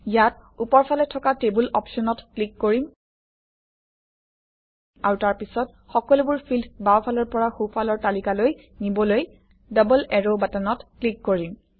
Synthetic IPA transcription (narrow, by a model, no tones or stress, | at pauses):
jatupɔɹpʰalɛtʰɔkatebulɔpsɔnɔtklikːoɹim | aɹutaɹpisɔt̚ | xɔkɔlubʊɹpʰildbawpʰalɔɹpɔɹaxupʰalɔɹtalikaloj | nibɔloj | dɔbɔlɛɹobatanɔtklikːoɹim